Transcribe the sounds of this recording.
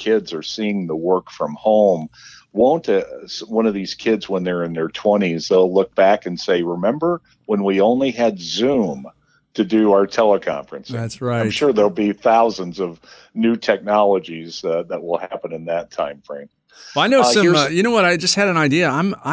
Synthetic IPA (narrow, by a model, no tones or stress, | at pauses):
kʰɪdzə˞siɪ̃ŋðəwɜ˞kfɹʌ̃mhõʊ̃mwõʊ̃ntswʌ̃ñʌvðiz̥kʰɪdzwə̃nðə˞ɨ̃nðə˞tʰw̥ɛ̃ɾ̃izðeɪlʊk̚b̥ækɨ̃nseɪɹɨmɛ̃mbə˞ | wə̃nwiõʊ̃nliɨdzʉ̃m | tʰɨdɨaʊə˞tʰɛlˠəkʰɑ̰̃ɱfɹɨ̃nsðætsɹaɪ̃tmʃʊɹðə˞lˠbiθaʊzə̃nzʌv | nʉtʰɛk̚nɑlˠəd͡ʒizðət̚wəlˠhæpə̃nɨ̃nðɨtʰãɪ̃ɱfɹẽɪ̃n | aɪnoʊʌ̃ʌjɨñoʊwʌɾaɪd͡ʒʌst̚hɨɾɨ̃naɪdiɨãɪ̃ma